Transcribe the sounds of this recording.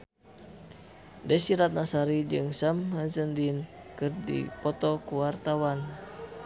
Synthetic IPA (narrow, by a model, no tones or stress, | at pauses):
dɛsiɾat̪̚nasaɾid͡ʒɨŋsamɦazəndin | kɨrdḭpɔt̪ɔkuwart̪awan